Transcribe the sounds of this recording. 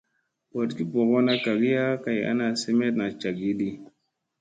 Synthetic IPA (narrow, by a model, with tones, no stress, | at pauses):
bo˨dki˦bo˨ɣo˦na˦ka˨ɡi˦ja˦ka˨ja̰˦na˨se˦me˦tna˨t͡ʃa˨ɡi˦di˦